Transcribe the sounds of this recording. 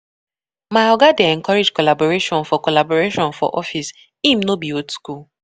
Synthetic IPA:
maɪɔɡadeɛ̃ŋkɔɹed͡ʒkɔlabɔɹeʃɔ̃nfɔkɔlabɔɹeʃɔ̃nfɔ̰ʔɔfis | ĩmnobiotskul

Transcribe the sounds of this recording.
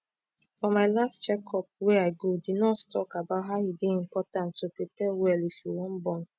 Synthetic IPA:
fɔmaɪlastt͡ʃɛkʰɔp̚wɛaɪɡodidnɔtstɔkabaʊt̚ɦaʊideĩm̩pɔtãntupɾipɛwɛlifiwɔ̃m̩bɔn̩

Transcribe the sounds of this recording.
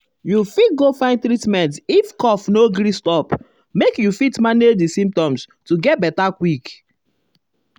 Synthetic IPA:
jufit̚ɡofãɪ̃ntɾitmɛ̃ntifkɔfnoɡɾistɔp | mekjufitmaned͡ʒdisĩmp̚tɔ̃mstuɡɛt̚bɛtakwik

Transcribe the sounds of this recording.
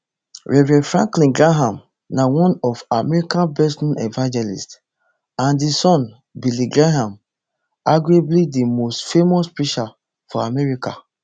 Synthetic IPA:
ɹɛvɹɛ̃fɹã̰ŋklĩnɡɹaɦãm | nawɔ̃nɔfamɛɹikãnbɛsũnɛ̰vãnd͡ʒɛlḭst | ãndisɔ̃n | biliɡɹaɦãm | aɡɹeblidimostfemɔspɹiʃa | fɔamɛɹika̰

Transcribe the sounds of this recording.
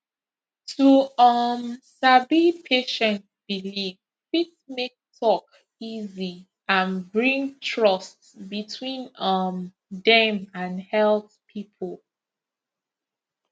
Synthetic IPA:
tʰuʌmsabipʰeʃɛ̃ntb̥iliv | fitmek̚tʰɔk | izi | ãnbɹĩŋtʰɹʌst | bitʰwĩnʌm | dɛ̃mãnhɛlˠt | pʰipʰəlˠ

